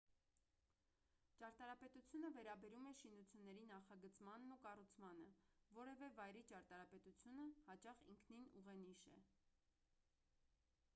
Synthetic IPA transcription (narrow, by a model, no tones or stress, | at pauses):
t͡ʃɑɾt̪ɑɾɑpɛt̪ut͡sʰjunəvɛɾɑbɛɾumɛʃinut͡sʰjunːɛɾinɑχɑɡət͡smɑnːukɑrut͡sʰmɑnəvɔɾɛvɛvɑjɾit͡ʃɑɾt̪ɑɾɑpɛt̪ut͡sʰjunəhɑt͡ʃɑχḭŋkʰninuʁɛniʃɛ̰